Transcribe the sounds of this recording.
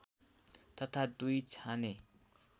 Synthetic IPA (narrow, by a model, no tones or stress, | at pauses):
t̪ʌt̪ʰad̪ujt͡sʰane